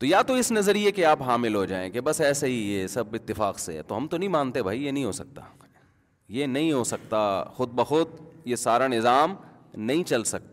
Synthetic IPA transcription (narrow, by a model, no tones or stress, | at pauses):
t̪ojaːt̪oɪsnɐzəɾijekeaːpɦaːmɪlɦod͡ʒaːḛ̃kebɐsɛːseɦijesɐbɪt̪ːɪfaːqsḛɛ̰t̪oɦɐmt̪onɐɦĩmãːnt̪eɦɛbʱaːijenɐɦĩɦosɐk̚t̪a̰ | jenɐɦĩɦosɐk̚t̪axʊd̪̚bɐxʊd̪̚jesaːɾanɪzaːm | nɐɦĩt͡ʃɐlsɐk̚t̪a